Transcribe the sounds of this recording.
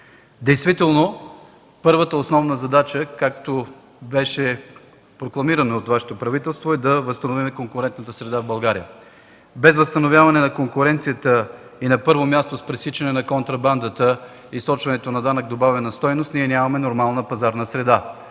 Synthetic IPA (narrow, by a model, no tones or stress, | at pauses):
d̪ɛjst̪vit̪ɛlˠno | pɤɾvət̪əosnɔvnəzɐd̪at͡ʃəkak̚t̪o | bɛʃɛ | pɾoklˠɐmiɾɐnoot̪vaʃɛ̥t̪opɾɐvit̪ɛlˠst̪voɛd̪ɐvəst̪ɐnovimɛkoŋkʊɾɛnt̪nət̪əsɾɛd̪avbɐlˠɡaɾijə̰ | bɛzvəst̪ɐnovʲjavɐnɛnɐkoŋkʊɾɛnt̪sijət̪əinɐpɤɾvomʲjast̪ospɾɛsit͡ʃɛnɛnɐkont̪ɾɐband̪ət̪ə | ist̪ɔt͡ʃvɐnɛt̪onɐd̪anəɡ̚d̪obavɛnɐst̪ɔjnost̪niɛnʲjamɐmɛnoɾmalˠnəpɐzaɾnəsɾɛd̪a